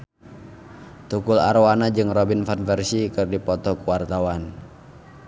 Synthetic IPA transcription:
t̪ukula̰rwanad͡ʒɨŋrɔbinfanfɛrsikɨrdipɔt̪ɔkuwart̪awan

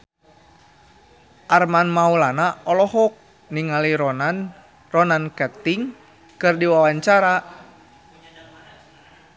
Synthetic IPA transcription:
ʔarmanmaulanaɔlɔɦɔk̚ | niŋaliɾɔnan | rɔnankɛt̪iŋ | kɨrdiwawaɲt͡ʃaɾa

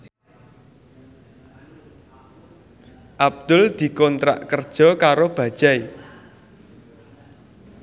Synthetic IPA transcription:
ʔab̚d̪̥ʊ̤ld̪̥i̤kɔnt̪ɾa̰ʔkərd̥ʒ̥ɔ̤kaɾob̥ä̤d̥ʒ̥ai

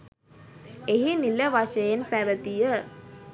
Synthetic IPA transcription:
eɦiniləʋaʃəjenpæʋət̪ijə

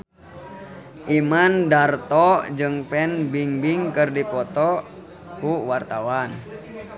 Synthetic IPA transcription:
ʔimandart̪ɔd͡ʒɨŋpɛnbiŋbiŋkɨrdipɔt̪ɔ | kuwart̪awan

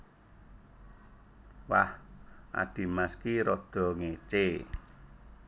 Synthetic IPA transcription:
wahʔa̰ɖ̥i̤maskiɾɔd̪̥ɔ̤ŋet͡ʃe

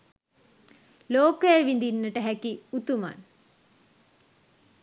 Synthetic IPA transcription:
loːkəjeʋind̪inːəʈəɦækiut̪uma̰n

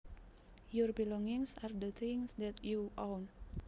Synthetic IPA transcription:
jɔrbilɔŋɪŋsard̪ət̪ʰɪŋsd̪ɛt̪juʔown

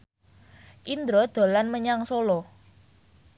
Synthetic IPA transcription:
ʔind̪ɾɔd̪̥o̤lanməɲaŋsolɔ

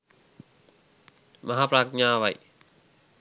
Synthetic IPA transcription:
mɐɦaːpɾak̚ɲãwaj

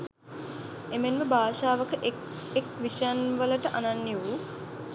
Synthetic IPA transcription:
emenməbaːʃaːʋəkəʔ | ekʋiʃanʋələʈəʔananːiu

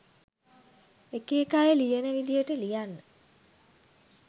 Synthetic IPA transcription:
ekeːkajelijenəʋid̪ijəʈəlijanːə

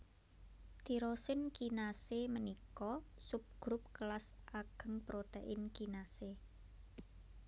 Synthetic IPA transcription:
t̪i̤ɾosɪnkinasemənikɔsʊp̚ɡ̥ɾʊp̚kəlasʔaɡ̥ə̤ŋpɾot̪eʔɪnkinase

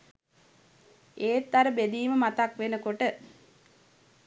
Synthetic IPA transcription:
eːt̪ːaɾəbed̪iːməmat̪akʋenəkoʈə

